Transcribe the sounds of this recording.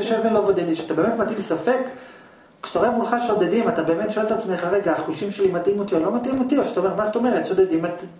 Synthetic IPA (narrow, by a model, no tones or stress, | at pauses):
ʃevenlovod̪eliʃat̪abemetmat̪ilsafe̞kː | ʃe̥toʁemulχaʃo̞dedimat̪abeme̞tʃoeltat͡smeχaʁe̞ɡaːχuʃimʃelimatimot̪iolomat̪imotioʃat̪aome̞mazetome̞ʁet̪ʃod̪edimat̪